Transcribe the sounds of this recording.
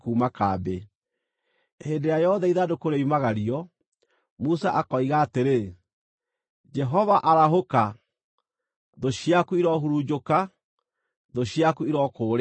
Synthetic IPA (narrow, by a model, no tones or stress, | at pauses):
kuːmakaːbe | heːndejajɔðaiðadokoɾeimaɣaɾiɔ | musaʔakɔiɣaːteɾe | d͡ʒɛɦɔvaʔaɾaɦoka | ðoɕiakuiɾɔɦuɾud͡ʒoka | ðoɕiakuiɾɔkoːɾ